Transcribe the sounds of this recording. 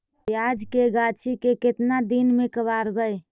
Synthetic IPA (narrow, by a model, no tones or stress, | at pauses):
jad͡ʒkeɡat͡ʃʰikeket̪nad̪inmekəbaɾbəj